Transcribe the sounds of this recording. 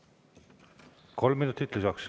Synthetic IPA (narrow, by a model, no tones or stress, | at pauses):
kʰo̞lmːinut̪ːˑit̪lʲusɑks